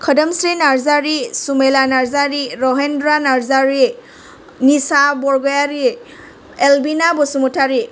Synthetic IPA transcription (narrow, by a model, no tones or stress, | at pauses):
kʰɔdəmsɾinaɹzaɹisumelanaɹzaɹiɹɔɦendɾanaɹzaɹi | nisabɔɹɡɔjaɾi | elbinabɔsumutʰaɹi